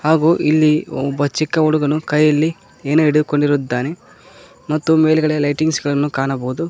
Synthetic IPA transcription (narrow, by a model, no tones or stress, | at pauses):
haːɡuːʔilːiɔbːɐt͡ʃikːɐuɽuɡɐnukɐjːɐlːi | eːnuiɽed̪uko̞ɳɖiɾud̪ːaːne | mɐt̪ːume̞ːlɡɐɭelɐjʈiŋɡsɡɐɭɐnːukaːɳɐbɐɦud̪u